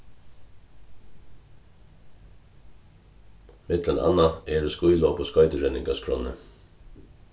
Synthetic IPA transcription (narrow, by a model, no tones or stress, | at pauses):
mɪt̪ləna̰nːaɛɹskʊjlɔːpɔskɔjt̪əɹɛnɪŋkaskʰɾɔ̰ːnə̰